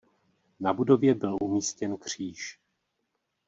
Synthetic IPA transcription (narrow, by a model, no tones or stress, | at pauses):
nabudo̞vjɛbɪlʔumiːscɛnkr̝̥iːʃ